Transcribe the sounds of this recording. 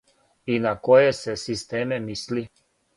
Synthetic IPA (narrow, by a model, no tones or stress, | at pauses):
inakojɛsɛsist̪eːmɛmisli